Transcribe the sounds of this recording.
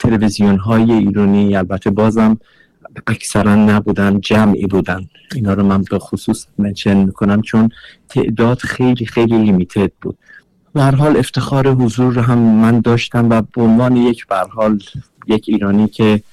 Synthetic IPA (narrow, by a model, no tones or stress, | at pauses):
t̪ʰe̞levizijonɦɒːje̞iːɾɒːniælbæt̪ʰːe̞bɒːzæm | æcʰsæɾænːæbuːd̪ænd͡ʒæmḭːbuːd̪æn | iːnhɒːɾomænbexosuːsment͡ʃʰenmiːkʰonæmt͡ʃʰont̪ʰe̞̰ʔd̪ɒːd̪̥xe̞jliːxejlilimit̪ʰed̪̥̚bṵːd̪̥ | b̥æhæɾɦɒːle̞ft̪ʰe̞xɒːɾeɦozuːɾːoɦæmːænd̪ɒːʃt̪æmvæbeonvɒːnejecʰb̥æhæɾhɒːl | jecʰiːɾɒːniːcʰe